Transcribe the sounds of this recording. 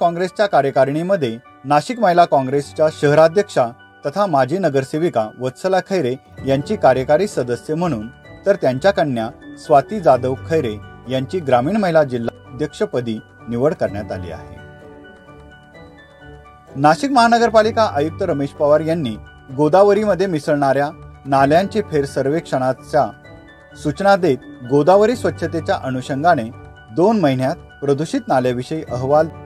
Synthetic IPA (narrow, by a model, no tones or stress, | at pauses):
kɔ̃ŋɡɾest͡ɕjakaɾjəkaɾɳiməd̪ʱːje | naɕikməɦjlakɔ̃ŋɡɾest͡ɕjaɕəɦəɾad̪ʱjəkʂa | t̪ət̪ʰamad͡ʑʱiːnəɡəɾseʋikaʋət̪səlakʰəjɾe | jaɲt͡ɕiːkaɾjəkaɾiːsəd̪əsjəm̤əɽ̃uːnt̪əɾt̪jaɲt͡ɕjakəɳːjasʋat̪iːd͡zad̪əʋkʰəjɾejaɲt͡ɕiːɡɾamiːɳməɦjlad͡ʑilːaəd̪ʱjəkʂəpəd̪iː | niʋəɽkəɾɳjat̪a̰lḭːa̰ɦḛ | naɕikməɦanəɡəɾpalikaʔəjuk̚t̪əɾəmeɕpaʋaɾjanːiː | ɡod̪aʋəɾiməd̪ʱːjemisəɭɳaɾjanaljaɲt͡ɕepʰeɾsəɾʋekʂəɽ̃at͡ɕa | sut͡ɕnad̪et̪ɡod̪aʋəɾisʋət̪ːɕʰət̪et͡ɕjaʔənuɕəŋɡaɽ̃e | d̪onməɦinjat̪̚ | pɾəd̪uɕit̪naljaʋiɕəiʔəɦʋal